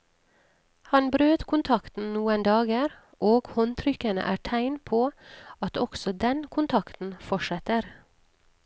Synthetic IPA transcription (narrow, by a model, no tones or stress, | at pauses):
hɑnbɾøːt̪kʰʊnt̪ʰɑkt̪n̩nuːənd̪ɑːɡəɾ | ʔoːɡ̥hɔnt̪ʰɾʏkənə̰ʔæːʈʰæɪnpʰoːɑt̪ɔksɔd̪ɛnkʰʊnt̪ʰɑkt̪n̩fɔʃɛt̪əɾ